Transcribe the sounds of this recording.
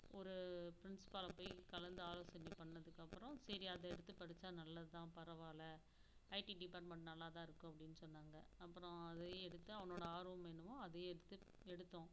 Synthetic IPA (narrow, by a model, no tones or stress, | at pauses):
ɔɾɯpɪɾɪnsɪ̥pɐlɐpoːjkɐlɐnd̪ɯaːloːsɐnːipːɐɳːɐðɯkːɐpːɯɾɔ̃sɛɾiɐðɐɛɽɯt̪ːɯpɐɾɯt͡ʃːaːnɐlːɐðɯt̪ãːpɐɾɐʋaːlɐ | ɐɪʈiɖɪpaːɾʈmɐɳʈnɐlːaːt̪̬ãːɪɾɯkːʊ̃ɐpːɐɽɪnːɯsɔnːaːŋɡɐɐpːɯɾɔ̃ɐðɐjɛɽɯt̪ːɯɐʋɐnoːɽɐaːɾuɐmɛnːɯmʊ̃ɐðɐjɽɯt̪ːɯ | ɛɽɯt̪ːõː